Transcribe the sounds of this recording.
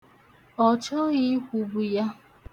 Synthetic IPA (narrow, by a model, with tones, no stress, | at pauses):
ɔ˨t͡ʃɔ˦ɣɪ˦kʷu˨bu˨ja˦